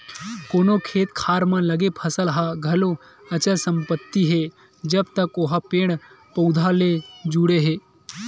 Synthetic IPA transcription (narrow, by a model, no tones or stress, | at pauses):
koːnokʰeːt̪kʰaːɾmãlɐɡepʰɐsəlɦaɡʱɐlo | ɐt͡ʃəsəmpət̪ːiɦe | d͡ʒɐbt̪ɐkoɦapeːɽ̃ | pəwd̪ʱaled͡ʒuɽeɦeː